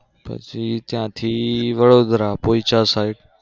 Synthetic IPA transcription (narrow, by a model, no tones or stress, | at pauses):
pə̰t͡ʃit̪jãt̪ʰiːʋəɽoːd̪ɾapoːit͡ʃasaːɪɖ